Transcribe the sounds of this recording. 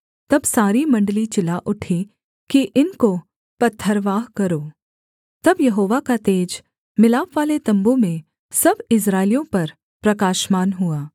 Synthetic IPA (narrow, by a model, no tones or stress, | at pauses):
t̪ɐbsaːɾimɐ̃ɳɖəlit͡ʃɪlaʔʊʈʰi | kiʔɪnko | pɐt̪ʰːəɾʋaːɦkɐɾoː | t̪ɐbjɐɦoːʋakat̪eːd͡ʒ | mɪlaːpʋaːlet̪ɐ̃mbõmẽ | sɐbɪs̬ɾaːɪlijõpɐɾ | pɾɐkaːʃmaːnɦuaː